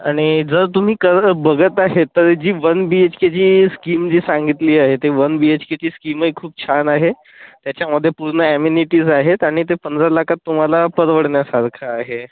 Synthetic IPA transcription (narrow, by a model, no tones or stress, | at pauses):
aɽ̃id͡zəɾt̪um̤iːkəɾbəɡət̪aɦet̪ːəɾd͡ʑiːʋənbiet͡ɕket͡ɕiːskimd͡ʑiːsãŋɡit̪liːaɦet̪eʋənbiet͡ɕket͡ɕiːskiməikʰːuːp̚t͡ɕʰanaɦe | t̪jat͡ɕjaməd̪ʱːjepuɾɳəæminiʈiːzaɦet̪aɽ̃it̪epənd͡zalakʰat̪ːum̤alapəɾʋəɽɳjasaɾkʰaːɦe